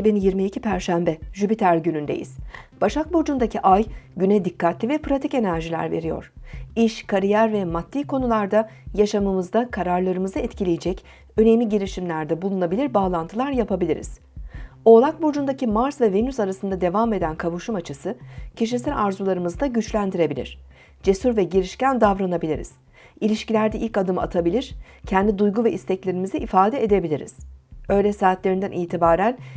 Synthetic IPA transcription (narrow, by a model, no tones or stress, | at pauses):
iibinjiɾmiicʰipʰæɾʃæmbɛʒybit̪ʰæɾɟynynd̪ḛjḭz̥b̥aʃak̚bud͡ʒund̪acʰiʔajɟynɛd̪ikːat̪lʲivɛpɾat̪ʰice̞næɾʒilʲæ̰ɾve̞̰ɾijo̞̰ɾ̥iʃkʰaɾijæɾvɛmat̪ːiːkʰo̞nulˠaɾd̪ajaʃamɯmɯzd̪akʰaɾaɾlˠaɾɯmɯzaɛt̪cʰilʲejed͡ʒɛc | øne̞mlʲiɟiɾiʃimlʲæɾd̪ɛbulˠunabilʲiɾbaːlˠant̪ʰɯlˠaɾjapʰabilʲiɾḭz̥ | o̞lˠak̚bud͡ʒund̪acimaɾsvɛve̞nysaɾasɯnd̪ad̪e̞vame̞d̪ænkʰavuʃumat͡ʃʰɯsɯcʰiʃ̬isælʲaɾzulˠaɾɯmɯzd̪aɟyt͡ʃlʲænd̪iɾe̞bilʲḭɾ̝̥ | d͡ʒe̞suɾvɛɟiɾiʃcænd̪avɾanabilʲiɾḭz̥ | ilʲiʃcilʲæɾd̪ɛilʲcad̪ɯma̰t̪ʰabilʲiɾ̥cʰɛnd̪ʲid̪ujɡuvɛʔist̪ʰɛclʲe̞ɾimizɛʔifaːd̪ɛed̪e̞bilʲiɾḭz̥ø̞jlʲɛsaːt̪lʲeɾind̪ænʔiːt̪ʰibaːɾæn